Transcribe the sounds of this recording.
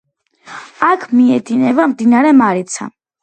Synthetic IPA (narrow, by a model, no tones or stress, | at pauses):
akʰmiɛd̪inɛvamd̪inaɾɛmaɾit̪sʰa̰